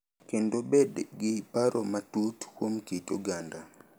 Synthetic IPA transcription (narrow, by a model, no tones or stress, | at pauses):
kendobedɡɪpaɾomatutkwomkitoɡanda